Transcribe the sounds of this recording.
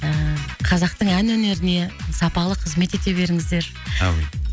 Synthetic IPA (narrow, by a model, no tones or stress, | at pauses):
əqʰɑzɑq̚t̪əɴænwɵne̞ɾɪne̞sɑpɑlˠəqʰəzme̞t̪e̞t̪e̞be̞ɾɪŋɪzd̪e̞ɾʰ